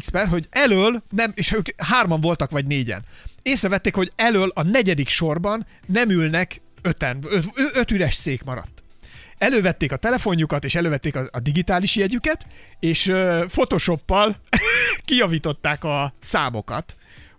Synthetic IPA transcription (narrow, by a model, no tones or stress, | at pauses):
spɛrɦo̞ɟɛløːlnɛmeːʃøːkɦaːrmɒɱvo̞lt̪ɒkʋɒɟneːɟɛ̰neːsrɛvɛt̪ːeːkho̞ɟɛløːlɒnɛɟɛd̪ikʃo̞rbɒnː | ɛmylnɛk | øt̪ɛnøøøt̪yɾɛʃseːkmɒɾɒ̰t̪ː | ɛløːvɛt̪ːeːkɒt̪ɛlɛfo̞ɲjukɒt̪eːʃɛløːvɛt̪ːeːkɒɒd̪iɡit̪aːliʃjɛɟykɛt̪eːʃfo̞t̪oːʃo̞pːɒl | kijɒviːt̪o̞t̪ːaːkɒsaːmo̞̰kɒ̰t̪